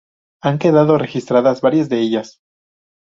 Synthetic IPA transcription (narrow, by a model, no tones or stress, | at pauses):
aŋke̞ðaðo̞re̞xist̪ɾaðazβaɾjazðe̞eʝas